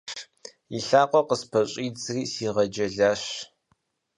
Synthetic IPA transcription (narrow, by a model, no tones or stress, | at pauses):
iɬaːqʷʼɔqəspʰɐɕʼiːd͡zriːsiːʁɐd͡ʒɐɮaːɕ